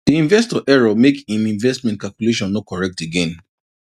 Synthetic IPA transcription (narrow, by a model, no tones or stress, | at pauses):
d̥iĩnvɛstɔʔɛɹɔmekĩnĩɱvɛstmɛ̃nt̚kalkuleʃɔ̃nːɔkɔɹɛk̚teɡɛ̃n